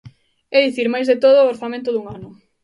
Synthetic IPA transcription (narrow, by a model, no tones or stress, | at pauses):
ɛðiθiɾmajzðet̪oð̞ʊoɾθamẽnt̪̬ʊðuŋanʊ